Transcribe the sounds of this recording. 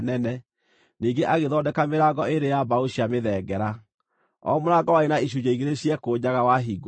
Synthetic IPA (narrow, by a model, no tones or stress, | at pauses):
nɛnɛ | niːɡeʔaɣeðɔdɛkameɾaːɡɔeɾejabaoɕiameðɛɡɛɾa | ɔ̰moɾaɡɔwaenaiɕ̬ud͡ʑaiɣeɾeɕiɛkoːɲaɣawaɦiːɡɔ